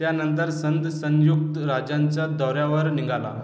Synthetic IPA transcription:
tjanənt̪əɾsənd̪sə̃jjuk̚t̪əɾad͡ʑaɲt͡sad̪ɔɾjaʋəɾniŋɡala̰

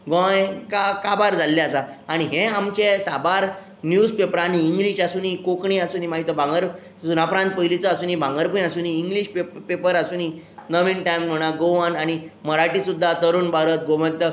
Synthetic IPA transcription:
ɡɔ̃jkakabaɾd͡zalːeasaaɽ̃iɦẽamt͡ɕesabaɾ | njud͡zpepəɾañiːŋɡliɕasuːnikokɳiasuːnimaɦit̪əbʱãŋɡəɾ | suːnapɾãnt̪̚pəjlit͡sɔasuːniːbʱãŋɡəɾpunasuːniːŋɡliɕppepəɾasuːni | nəʋinʈajmm̤əɽ̃aɡoʋənaɽ̃iməɾaʈiːsud̪ʱːat̪əɾuːnbaɾət̪̚ɡoʋə̃nt̪ə

